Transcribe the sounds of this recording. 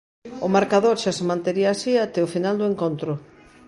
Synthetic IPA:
ʊmaɾkaðoɾʃasemãnt̪eɾiaːsiat̪eofinald̪oeŋkont̪ɾʊ

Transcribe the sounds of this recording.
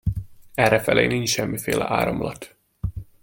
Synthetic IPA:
ɛrɛfɛlḛːnint͡ʃʃɛmːifeːlʔɛ̰ʔa̰ːɾɒmlɒt̪

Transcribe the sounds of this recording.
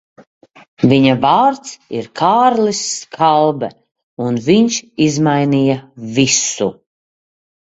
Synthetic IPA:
viɲavaːɾt̪sḭɾkʰaːɾlisːkʰalˠbɛ̰ | unviɲʃizmajnijavisu

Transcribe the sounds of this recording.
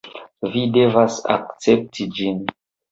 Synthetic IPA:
videvasa̰kt͡sep̚tʰid͡ʒin

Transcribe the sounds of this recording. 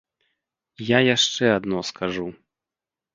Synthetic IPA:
jajaʂt͡ʂɛad̪nɔskaʐu

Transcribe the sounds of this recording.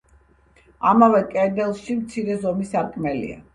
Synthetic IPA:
amavɛkʼɛd̪ɛlˠʃimt̪sʰiɾɛzɔmisaɾkʼmɛlḭa̰

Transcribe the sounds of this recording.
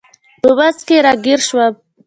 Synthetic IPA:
pəwazkeɾɑɡiɾʃwa

